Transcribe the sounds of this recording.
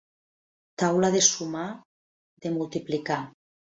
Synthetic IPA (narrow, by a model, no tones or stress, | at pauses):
t̪awlaðesuma | d̪emulˠt̪iplika